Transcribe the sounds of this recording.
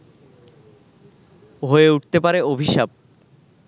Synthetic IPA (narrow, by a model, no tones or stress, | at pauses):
ɦoeuʈ̚t̪epaɾeobʱiʃab̚